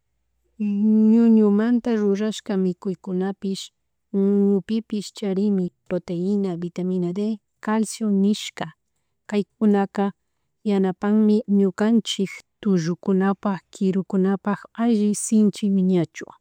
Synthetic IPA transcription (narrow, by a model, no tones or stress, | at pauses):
ɲʊɲʊmant̪aɾʊɾaʃkamɪkʊjkʊnapɪʃ | ɲʊɲʊpɪpɪʃt͡ʃaɾɪmɪpɾot̪eɪnabɪt̪amɪnad̪e | kalsjonɪʃka | kajk̚ʊnaka | janapaŋmɪɲʊkant͡ʃɪkt̪ʊʒʊkʊnapaxkɪɾʊkʊnapaxaʒɪsɪnt͡ʃɪwɪɲat͡ʃʊ̰